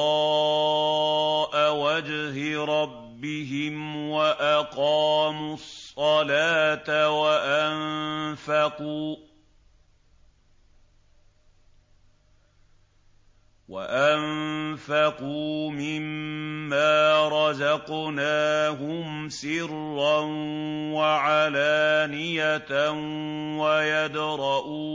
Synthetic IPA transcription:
ɑ | ʔawad͡ʒɦɪɾˤɑbːɪɦɪmwaʔaqɑːmusˤːɑlaːt̪awaʔanfaquː | wa̰ʔamfaquːmɪmːaːɾˤɑzɑqnaːɦʊm | sɪɾrːanwaʕalaːnɪjatn | wajad̪ɾˤɑʔuː

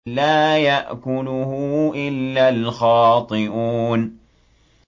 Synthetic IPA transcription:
laːjaʔkʊlʊhʊʔɪlːalxɑːt̪ˤɨʔuːn

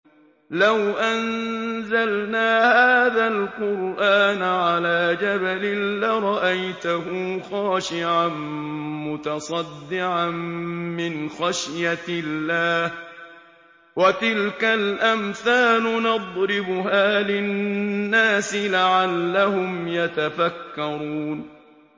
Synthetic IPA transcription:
lawʔanzalnaːhaːðalqʊɾʔaːnaʕalaːd͡ʒabalɪnlɪɾˤɑʔajt̪ʊɦʊːxɑːʃɪʕanmʊt̪ɑsˤɑd̪ːɪʕanmɪnxaʃjaɪlːaːh | wat̪ɪlkalʔamθaːlʊnɑd̪ˤɾɪbʊhaːlɪnːaːsɪlaʕalːahʊmjat̪afakːɑɾˤuːn

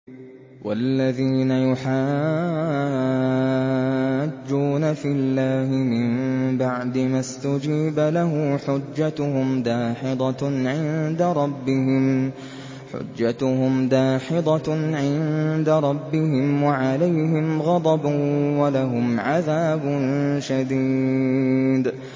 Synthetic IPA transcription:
walːaðiːnajʊħaː | d͡ʒːuːnafɪlːaːhɪmɪmbaʕd̪ɪmast̪ʊd͡ʒiːbalaɦʊːħʊd͡ʒːat̪ʊhʊmd̪aːħɪd̪ˤɑʕɪnd̪aɾˤɑbːɪɦɪm | ħʊ̰d͡ʒːat̪ʊhʊmd̪aːħɪd̪ˤɑʕɪnd̪aɾˤɑbːɪɦɪmwaʕalajɦɪmɣɑd̪ˤɑbwalaɦʊmʕaðaːbʊnʃad̪iː | d̪

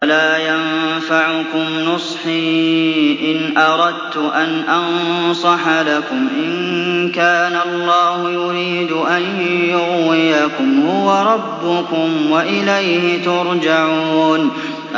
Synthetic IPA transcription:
laːjafaʕʊkʊmnʊsˤħiːʔɪnʔɑɾˤɑd̪̚t̪ʊʔanʔɑnsˤɑħalakʊmʔɪnkaːnalˤːɑːhʊjʊɾiːd̪ʊʔanjʊɣwɪjakʊmhʊwaɾˤɑbːʊkʊmwaʔɪlajhɪt̪ʊɾˤd͡ʒaʕuːn

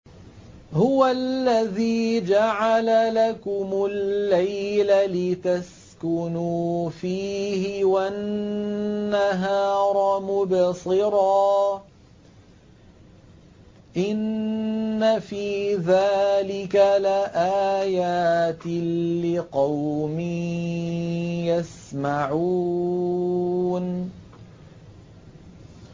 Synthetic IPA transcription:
hʊwalːaðiːd͡ʒaʕalalakʊmʊlːajlalɪt̪as | kʊnuːfiːhɪwa | aɦɑːɾˤɑmʊbsˤɨɾɑː | ʔɪnː | afiːðaːlɪkalaʔaːjaːt̪lɪqɑwmi | jas | maʕuː | n

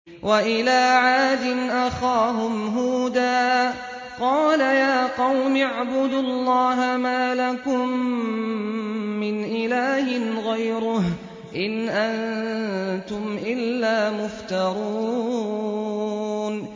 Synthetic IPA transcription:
wʔaʔɪlaːʕaːd̪ɪnʔaxaːɦʊmɦʊd̪aː | qɑːlajaːqɑwmɪʕbʊd̪ʊlˤːɑːɦamaːlakʊm | ɪnʔɪlaːhɪnɣajɾʊh | ʔɪnʔan | t̪ʊmʔɪlːaːmʊft̪ɑɾˤuː | n

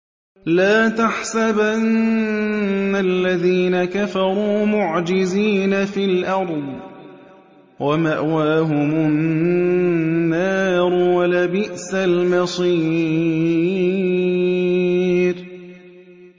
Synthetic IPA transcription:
laːt̪aħsabʔannnːalːaðiːnakafɑɾˤuːmʊʕd͡ʒɪziːnafilʔɑɾˤd̪ˤ | wʔamaʔwaːɦʊmʊnː | aːɾwalabɪʔsalmɑsˤiː | ɾ

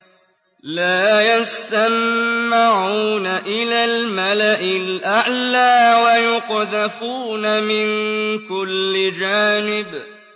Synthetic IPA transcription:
laːjast̪amːɪʕuːnaʔɪlaːlmalaʔɪlʔaʕlaːwajʊqðafuːnamɪnkʊlːɪd͡ʒaːnɪb

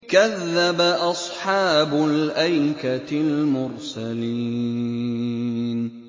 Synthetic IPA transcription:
kaðːabaʔɑsˤħɑːbʊlʔajkalmʊɾsaliː | n

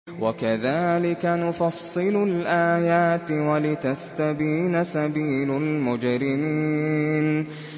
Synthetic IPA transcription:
wakaðaːlɪkanʊfɑsˤːɨlʊlʔaːjaːt̪walɪt̪ast̪abiːnasabiːlʊlmʊd͡ʒɾɪmiːn

